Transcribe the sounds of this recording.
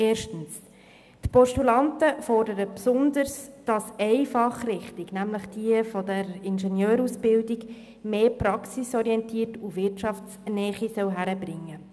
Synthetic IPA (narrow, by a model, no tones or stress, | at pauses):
eːɾʃtən̩s | tpɔʃtulɑntəfɔrdəɾəpsʊndəɾsd̥ɑsɛɪfɑχrɪχtiɡnæmləχd̥iəfɔdɛɾɪnʃɛnjøːɾusb̥ɪldiɡ | meːpɾɑksisɔɾiɛntiːtuʋɪrtʃɑftsnɛːχisœwɦæɾəbɾɪŋːə